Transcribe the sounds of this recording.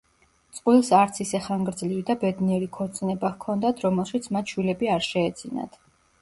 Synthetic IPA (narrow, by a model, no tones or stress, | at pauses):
t̪sʼqʼwilˠsaɾt̪sʰisɛχaŋɡɾd̪zlivid̪abɛd̪niɛɾikʰɔɾt̪sʼnɛbakʰɔnd̪at̪ʰɾɔmɛlˠʃit̪sʰmat̪ʃwilɛbiaɾʃɛːd̪z̥ina̰t̪